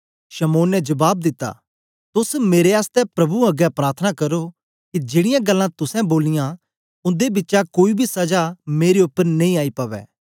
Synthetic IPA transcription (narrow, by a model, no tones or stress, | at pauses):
ʃɐmoːnːɛd͡ʒɐbaːb̚d̪ɪt̪ːa̰ | t̪ʊsmeːɾeaːst̪ɛpɾɐbuɐɡɛpɾaːɾt̪ʰnakɐɾo | kid͡ʒeːɽɪjãɡɐlːãt̪ʊsɛ̃boːlɪjã | ʊ̃nd̪ebɪtːʃakoːibʱisɐd͡ʒameːɾeʊpːəɾnɐ̃ĩaːipɐʋɛ̰ː